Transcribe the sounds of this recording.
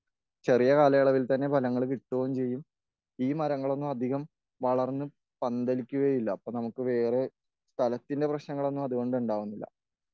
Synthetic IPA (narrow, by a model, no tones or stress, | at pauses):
t͡ɕe̞rijɐkaːlɐjɐɭɐʋilt̪ɐnːe̞bʱɐlɐŋːɐɭkiʈːuɣɐmt͡ɕe̞jːum | iːmɐɾɐŋːɐɭo̞nːumɐd̪ʱiɣɐm | ʋɐɭɐrnːɨ | pɐnd̪ɐlikʲːuɣɐjilːɐːpːoːnɐmukːɨʋe̞ːre̞ | st̪ʰɐlɐt̪ːinde̞prɐɕnɐŋːɐɭo̞nːumɐðuɣo̞ɳɖuɳɖaːʋunːilːɐ̰